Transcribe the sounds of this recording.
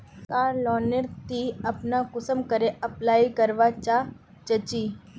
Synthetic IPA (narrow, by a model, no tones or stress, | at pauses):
kaːɾlɔːnəɾt̪iɐpnakʊsəmkəɾeɐplaːikəɾʋat͡ʃa | t͡ʃət͡ʃiː